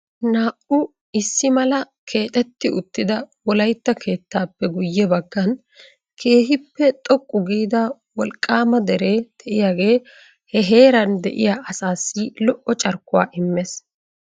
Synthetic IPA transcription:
naːʔʊ | ɪsːɪmɐlɐ | kʰe̞ːt̪ʼɛt̪ːɪʊt̪ːɪd̪ɐwɔlɐjt̪ːɐkʰe̞ːt̪ːaːpːɛɡʊjːɛbɐɡːɐn | kʰe̞ːɦɪpːɛt̪ʼɔkʼːʊɡiːd̪ɐ | wɔlkʼːaːmɐd̪ɛɾeːd̪̥ɛʔɪjaːɡe̞ː | hɛɦe̞ːɾɐnd̪ɛ̰ʔɪ̰jaʔɐsaːsːɪlɔʔɔt͡ʃʼɐɾkːʊwaːʔɪmːɛs

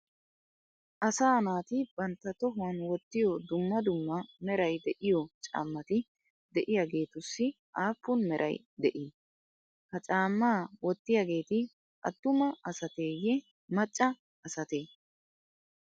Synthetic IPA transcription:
ʔɐsaːnaːt̪ɪb̥ɐnt̪ːɐt̪ɔɦʊɐnwɔt̪ːɪjɔd̪ʊmːɐd̪ʊmːɐmɛɾɐjd̪ɛʔɪjɔt͡ʃʼa̰ːmːɐt̪ɪ | d̪ɛʔɪjaɡe̞ːt̪ʊsːɪ | ʔaːpːʊnmɛɾʔɐ̰j | d̪ɛʔi | kɐt͡ʃʼaːmːaːwɔt̪ːɪjaɡe̞ːt̪ɪ | ɐ̰t̪ːʊmɐɐsɐt̪e̞ːjɛ | mɐt͡ʃʼːɐː | sɐt̪eː

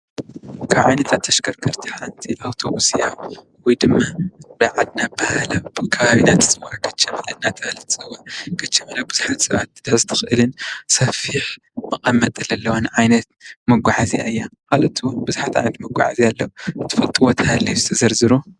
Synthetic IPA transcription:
kʰaβʕajnɐt̪ʰat̪ʰːɐʃkʰɐɾkʰɐɾt̪ʰi̥ħant̪ʰiʔawt̪ʰo̞βusija | wɔjd̪ɨmːabɨʕad̪̚nabahalɐbɨkʰɐβaβinat̪ʰɨ̥sʼɨwakʰɐt͡ʃːɐmɐlɐnat̪ʰɐalɐt̪ʰsʼɨwakʰɐt͡ʃːɐmɐlabɨzuħat̪sɐβa̰t̪̚ɨd̪ɨħɨzɨt̪ʰɨ̥xʔɨlɨnsɐfiħ | mɨkʼɐmːɐt̪ʼɨlɐlːɐwanɨʕajnɐt̪̚mɐɡʷaʕazija̰ɨjːakalɐt̪ʰɨwnbɨzuħat̪ʕa̰jnɐt̪mɐɡʷa̰ʕa̰zialːɐuɨt̪ʰːɨ̥fɐlt̪ʼɨwot̪ʰɐhalːijuzɨt̪ʰɐzɐɾzɨɾu

